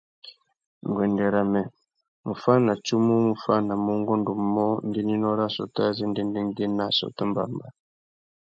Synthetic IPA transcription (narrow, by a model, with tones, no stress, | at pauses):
ŋ˨ɡwɛ˨ndɛ˨ɾa˨mɛ˨ | mu˨fa˦na˨t͡ʃu˦mu˦mu˨fa˦na˨mu˦ŋɡɔ˦ndu˨˦mɔ˦ndi˦ni˦nɔ˦ɾa˦˨sɔ̰˨ta˦zɛ˦ndɛ˦ndɛ˦ŋɡɛ˦na˦˨sɔ̰˨ta˦mba̰˨mba˨